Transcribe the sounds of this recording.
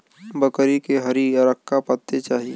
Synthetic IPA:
bəkɾikeɦəɾiɐɾəkːapət̪ːet͡ʃaːɦie

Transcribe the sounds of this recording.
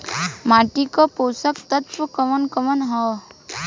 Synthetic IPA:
maːʈikopoːsəkt̪ət̪wəkəmənkəmənɦɔː

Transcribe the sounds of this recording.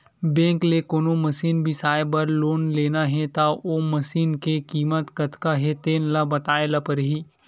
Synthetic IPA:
bẽːŋklekoːnomɐsiːnbʱisaːjebɐɾloːnleːnaɦɛ̃t̪aoːmɐsiːnkekiːmət̪kɐt̪kaɦet̪eːnlabɐt̪aːelapɐɾɦiː

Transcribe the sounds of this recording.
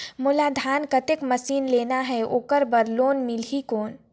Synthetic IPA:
mʊlaːd̪ʱaːnkɐt̪ɪkmɐsiːnleːnaɦɛoːkəɾbəɾloːnmɪlɦikoːn

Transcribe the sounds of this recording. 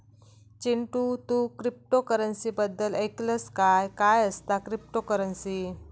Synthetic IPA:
t͡ɕiɳʈut̪ukɾip̚ʈokəɾənsibəd̪ːəlekləskajkajəst̪akɾip̚ʈokəɾənsi

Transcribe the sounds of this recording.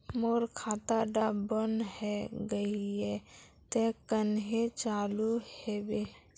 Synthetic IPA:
moɾkʰat̪aɖabənɦɛɡəie | t̪ekənɦet͡ʃaluhebe

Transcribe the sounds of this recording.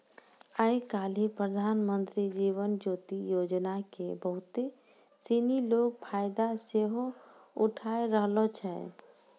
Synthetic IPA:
əjkaːlipɾəd̪ʱaːnmənt̪ɾid͡ʒiːʋənd͡ʒoːt̪ijoːd͡ʒnakebəɦʊt̪e | siniloɡ̚pʰajd̪aseɦoʊʈʰaeɾəɦlot͡ʃʰɛ

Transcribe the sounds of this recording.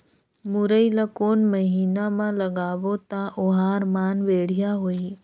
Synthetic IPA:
mʊɾəilakoːnməɦiːnamãləɡaːʋot̪aʔʊɦaːɾmaːnʋeːɽ̤ijaɦoːi

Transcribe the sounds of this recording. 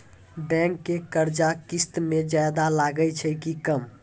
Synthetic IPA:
bɛ̃ŋkːekəɾd͡ʒakist̪med͡ʒajd̪alaɡəjt͡ʃʰəjkikəm

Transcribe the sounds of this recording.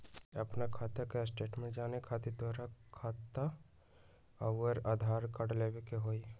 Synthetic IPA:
ɐpnakʰaːt̪akesʈeːʈmẽd͡ʒaːnekʰaːt̪it̪oɾakʰaːt̪ːa | ɐəɾaːd̪ʱaːɾkəɽleːʋekeɦoːi

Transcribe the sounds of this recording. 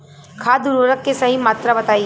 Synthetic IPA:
kʰaːd̪uɾuɾəkːesɐɦimaːt̪ɾabɐt̪aːi

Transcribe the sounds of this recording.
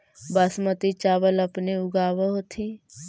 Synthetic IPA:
bəsmət̪it͡ʃaːʋələpneʊɡaːʋəɦot̪ʰi

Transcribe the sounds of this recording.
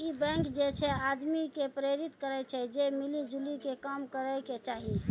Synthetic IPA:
ibɛ̃ŋkd͡ʒet͡ʃʰɛad̪mikepɾeɾit̪kəɾɛt͡ʃʰɛd͡ʒemilid͡ʒulikekəmkəɾəket͡ʃaɦi

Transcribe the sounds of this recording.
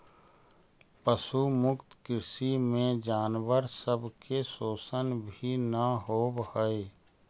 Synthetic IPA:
pəʃumʊkt̪kɾɪʃimẽd͡ʒaːnwəɾsəbkesoːsənbʱinəɦoːbhəe

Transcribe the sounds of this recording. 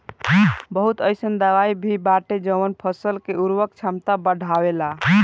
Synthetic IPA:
bəɦut̪əjsənd̪əʋaibʱibaʈed͡ʒəmənpʰəsəlkeuɾwək̚t͡ʃʰamt̪abəɖʱawela

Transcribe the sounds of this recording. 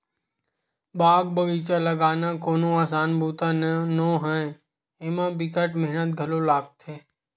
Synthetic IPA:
baːɡbəɡiːt͡ʃaləɡaːnaːkoːnõaːsaːnbʱuːt̪ãnõːɦɛ̃ | eːmãːbɪkəʈmɪɦnət̪̚ɡʱəlolaːɡ̚t̪ʰeː

